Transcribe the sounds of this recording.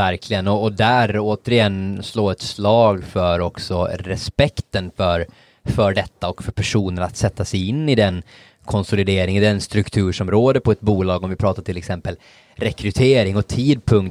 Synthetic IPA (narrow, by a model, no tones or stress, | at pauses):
æɾkʰlɪɡənɔːd̪æɾoːt̪əɾɪjɛnːsloːɾɛt̪slɑːɡfœɾɔksɔɾɛspɛkt̪ənfœɾ | fœɖɛt̪ːaɔkfœɾpʰæʂuːnəɾat̪sɛt̪ʰːasɛjɪnːɪd̪ɛn | kʰɔnsʊlɪd̪eːɾɪŋɪd̪ɛnst̪ɾɵkt̪ʰʉ̟ːʂɔmɾoːd̪əɾpʰɔɛt̪̚buːlɑːɡɔmvɪpʰɾɑːt̪aʈ̪ʰɪlːɛksɛmpəl | ɾɛkɾɵt̪ʰeːɾɪŋɔt̪ʰiːd̪̚pʰɵŋkt̪